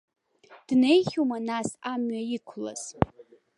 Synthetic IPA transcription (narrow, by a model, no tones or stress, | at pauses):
d̥ne̞jχʲumanasamɥaikʷʰla̰z̥